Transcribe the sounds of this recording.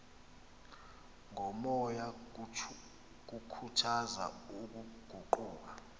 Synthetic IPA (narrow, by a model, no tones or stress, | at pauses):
ŋʱɔmɔja | k̬ukʰutʰaza̰uk̬uɡ̥ʱuǃuːk̬a